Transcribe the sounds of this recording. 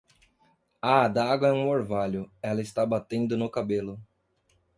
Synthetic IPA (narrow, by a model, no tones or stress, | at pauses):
ad̪aaɡwɐɛũoɾvaʎʊɛlɐɪst̪abat̪ẽnd̪ʊnʊkabelʊ